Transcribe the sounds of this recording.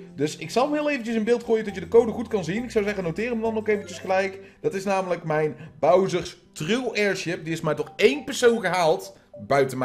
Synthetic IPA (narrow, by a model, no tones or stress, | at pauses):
dɵsɪksɑlˠmɦɪːlˠejvənt͡ʃəsɪnbɪːlˠtχuːjədɔtjədəkowdəχutkɑnzinɪksɑwzɛχənowtɪːrəmədɑnokejvənt͡ʃəsχəlɛjkd̥ɑtɪsnaːmələkmɛjnbɑwzəɹstrywɛːɹʃɪp̚diɪsmaːɹtɔχejnpɛɹsownɣəɦaːlˠt | bœɥtənmɛ